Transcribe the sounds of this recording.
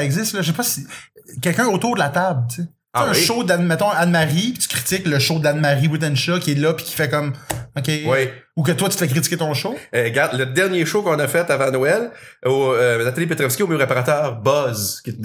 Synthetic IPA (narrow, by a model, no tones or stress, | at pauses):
ɛɡzɪst̪lʌʒəsepʌsikʲɛlkʲœ̃ot̪uːʁd̪əlat̪ablt͡sẽ | ʃod̪anmɛt̪ɔ̃anmaʁipi̥t̪y̥kʁi̥t̪ɪkləʃod̪anmaʁiwut̪ɛnʃɔkʲiɛlʌpi̥kʲi̥fɛkʌmɔkʲewɛ | ukət̪wat̪y̥t̪əfɛkʁit̪t͡sikʲet̪ɔ̃ʃoɛɡaʁd̪ləd̪ɛʁnjeʃokɔ̃nəfɛt̪avãnɔɛlonat̪alipet̪ʁɔfskʲiomjʁepaʁat̪œːʁbʌzkʲi